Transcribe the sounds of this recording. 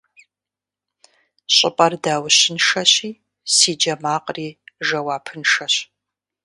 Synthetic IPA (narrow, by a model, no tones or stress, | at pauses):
ɕʼɪpʼɐrdaːwɕɪnʂɐɕiː | siːd͡ʒɐmaːqʼriːʒɐwaːpʰɨnʂɐɕ